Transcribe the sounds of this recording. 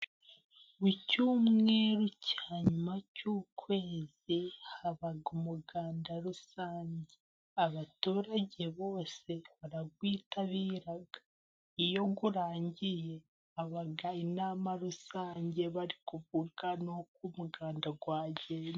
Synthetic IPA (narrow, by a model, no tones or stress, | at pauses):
βucuːmŋŋe̞ːɾucʰaːɲumacuːkwe̞ːzihaβaɡumuɡaːndaɾusaːɲɟe̞ | aβatuːɾaɟe̞βo̞ːse̞βaɾaɡwiːtaβiːɾaɡḁ | ijo̞ɡuɾaːɲɟije̞ | aβaɡainaːmaɾusaːɲɟe̞βaɾikuvuɡanok̚umuɡaːndaɡwaːɟen